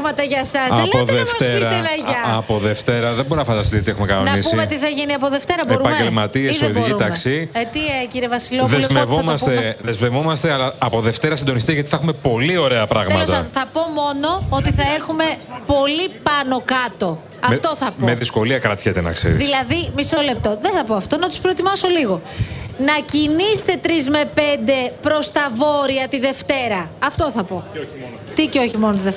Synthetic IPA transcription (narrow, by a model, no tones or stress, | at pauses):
mɐt̪ɐʝɐsɐɐoðeft̪eɾɐɐʝɐɐpoðe̞ft̪e̞ɾɐðembo̞ɾinɐfɐnd̪ɐst̪iziot̪iexumekɐnonnɐnispuimet̪iθɐʝiniɐpoðeft̪e̞ɾɐbeɾupɐɲmɟelmɐt̪iesoðikit̪ɐkssiet̪ieciɾevɐsiloðemevomɐst̪eðezmevo̞mɐst̪eɐlɐɐpo̞ðe̞ft̪e̞ɾɐsind̪o̞nist̪it̪ɐt̪i̥θɐxume̞po̞lio̞ɾe̞ɐpɾɐɣmmɐtsɐɐnθɐpo̞mo̞no̞ot̪iθɐe̞xume̞po̞lipɐno̞kɐt̪o̞ | ɐmft̪o̞θɐpomeðisko̞liɐkɾɐt̪çet̪enɐ̰ksḛɾiðilɐðimisole̞p̚t̪o̞ðenθɐpo̞ɐft̪o̞nɐt̪u̥spɾo̞et̪imɐso̞liɣo̞nɐcinist̪e̞t̪ɾizme̞pe̞nd̪e̞pɾo̞st̪ɐvo̞ɾiɐt̪iðe̞ft̪e̞ɾɐɐft̪o̞θɐpo̞ | t̪iceo̞çimo̞not̪iðe